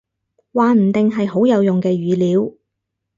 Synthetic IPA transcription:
waː˨m̩˨˩t̪ɪ˨ŋɦɐ˨jɦo˨˥wjɐ˨˧wjʊ˨ŋkɛː˧ɥyː˨˧liː˨˧˥w

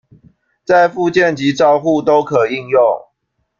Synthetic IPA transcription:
t͡sa˥˨ɪfu˥˧t͡ɕjɛ˥˨nt͡ɕi˨˦ʈ͡ʂɑ˥˧ʊxu˥˨t̪o˦ʊkʰɤ˨˩i˥˧ŋjʊ˥˨ŋ

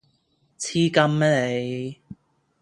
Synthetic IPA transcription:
t͡sʰiː˥kɐ˥mːɛ˥le˨˧j

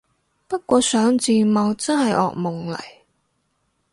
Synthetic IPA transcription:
pɐ˥t̚kʷɔː˧sœː˨˥ŋt͡siː˨˧mɐ˨˧wt͡sɐ˥nɦɐ˨jʔɔ̰ː˨k̚mʊ˨˩ŋlɐ̰˨˩j

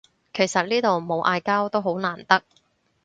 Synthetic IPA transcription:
kʰe˨˩jsɐ˨t̚niː˥t̪o˨wmo˨˧wʔaː˧jkaː˥wt̪o˥wɦo˨˥wnaː˨˩nt̪ɐ˥k̚

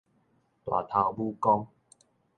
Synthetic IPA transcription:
t̪wa̰˨˩t̪ʰa˧wbu˦kɔ˦ŋ

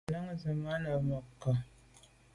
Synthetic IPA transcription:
la˦ŋza˨ma˦na˨ma˨kːa˨

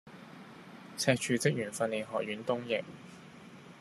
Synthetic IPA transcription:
t͡sʰɛː˧k̚t͡ʃʰyː˨˧t͡sɪ˥k̚jyː˨˩nfɐ˧nliː˨˩nɦɔː˨k̚jyː˨˥nt̪ʊ˥ŋjɪ˨k̚

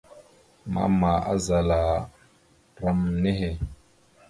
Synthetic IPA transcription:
ma̰˨˦ma˨a˦za˨la˨ | ɾa˦mne˦he˨

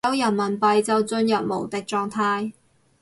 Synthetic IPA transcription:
ɐ˨˧˥wjɐ˨˩nmɐ˨˩npɐ˨˧jt͡sɐ˨wt͡sɵ˧njɐ˨p̚mo̰˨˩wt̪ɪ˨k̚t͡sɔː˧ŋt̪ʰaː˧j

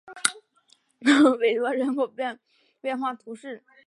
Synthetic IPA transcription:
me˨˩ɪt̪wɔ˧˥ɻə˧˥nkʰo˨˩ʊpjɛ˥˧n | pjɛ˥˧nxwa˥˩t̪ʰu˧˥ʂɻ̩˥˩

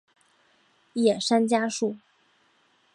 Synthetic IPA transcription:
jɛ˨˩ʂa˥nt͡ɕja˥ʂu˥˩

